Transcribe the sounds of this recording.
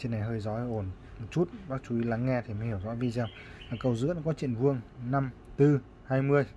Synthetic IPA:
t͡ɕi˧nːa˨˩jɦəː˧jzɔ˨˦˧ʔo˧˩n | mo˨˩t̚t͡ɕu˦˥t̚ɓaː˦˥k̚t͡ɕu˨˦i˨˦laː˨˦ŋːɛ˧t̪ʰi˨˩ma˨˩hi˧˩wzɔ̰˧˥vi˧˩zaː˧˩w | aː˨˩kə˨˩wzɨ̰˧˥ənɔ˨˦˥kɔ˨˦t͡ɕḭ˧˨ənvɨ˧əŋna˧m | t̪ɨ˧ | haː˧jmɨ˧əj

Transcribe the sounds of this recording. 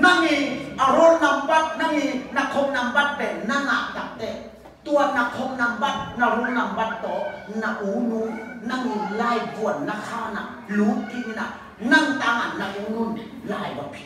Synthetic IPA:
na˧˥˨i˧ʔa˧ɾo˧˥˨nna˧mba˧˩t̪̚na˧˨miː˧na˧kʰo˧˦p̚na˧˦mba˧˩t̪̚bɛː˨˩pna˧˥˨na˧˨ʔt̪a˨k̚t̪ɛː˧˩ | t̪u˧ɐna˧kʰo˧p̚na˧mba˧˩t̪̚na˧ɾo˧˥˨nna˧˦mba˧˩t̪ːɔː˨˦na˧ʔo˨˦ŋnuː˧˦nna˧˨ŋmi˧laː˧˩˨jbu˨˩ən̚na˧˨kʰaː˧˨wna̰˧˨ | luː˨˦nt̪i˧mi˧˨na̰˧˨ | na˧˨ŋt̪a˧˦ŋʔa˨nna˧˨ʔo˨˦ŋnu˧˩n | laː˧˩˨jba˨˧˨pʰi˧˦

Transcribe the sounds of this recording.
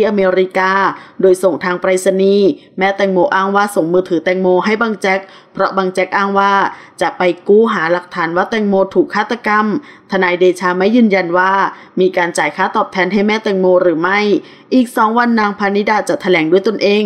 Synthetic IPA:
i˧˥ʔa˧meː˧ɾi˦˥kaː˧doː˧jso˨˩ŋt̪ʰaː˧ŋpɾa˧jsa˧niː˧˩ | mɛː˦˥t̪ɛː˧˩ŋmoː˧ʔaː˥˩ŋwaː˥˩so˨˩ŋmɯː˧t̪ʰɯː˩˦t̪ɛː˧ŋmoː˧ɦa˥˩jbaː˧ŋt͡ɕɛ˦˥k̚ | pʰɾɔ˦˥baː˧ŋt͡ɕɛ˦˥k̚ʔaː˥˩ŋwaː˥˩t͡ɕa˨˩ʔpa˧jkuː˥˩ɦaː˩˦la˨˩k̚t̪ʰaː˩˦nwaː˥˩t̪ɛː˧˩ŋmoː˧t̪ʰuː˨˩kʰːaː˥˩t̪ʰːa˧ka˧mt̪ʰa˧naː˧jdeː˧t͡ɕʰaː˧ma˥˩jːɯː˧nja˧nwaː˥˩ | miː˧kaː˧nt͡ɕaː˨˩jkʰaː˦˥˩t̪ɔː˨˩p̚t̪ʰɛː˧nɦa˥˩jmɛː˥˩t̪ɛː˧˩ŋmoː˧ɾɯː˩˦ma˥˩j | ʔiː˨˩k̚sɔː˩˦ŋwa˧nːaː˧ŋpʰaː˧ni˦˥daː˧t̪̚t͡ɕa˨˩t̪ʰa˧lɛː˩˦ŋdu˥˩əjt̪o˧nʔeː˧ŋ

